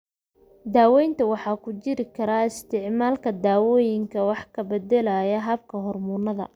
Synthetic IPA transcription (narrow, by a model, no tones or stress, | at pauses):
d̪aːwɛjnt̪ʰɐwɑħɑːkʰʊt͡ʃɪɾɪkʰɐɾaːɪst̪ʰɪʕmaːlkʰɐd̪aːwɔːjɪŋkʰɐwɑħkʰɐbɛd̪ɛlɐjɐɦɐb̚kʰɐɦɔrmʊnɐðɐ̰